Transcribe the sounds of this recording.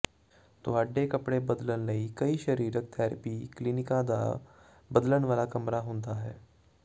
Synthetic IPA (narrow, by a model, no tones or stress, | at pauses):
t̪oaːɖːekɐpɽebɐd̪lənlɐikɐiʃɐɾiːɾək̚t̪ʰɛːɾəpiklinɪkãd̪a̰ | bəd̪lənʋaːlakɐmɾaɦõːnd̪aɦɛː